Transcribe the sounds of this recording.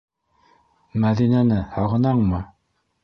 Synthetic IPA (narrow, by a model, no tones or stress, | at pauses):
mæðinænɘhɑʁɤ̆nɑɴmɤ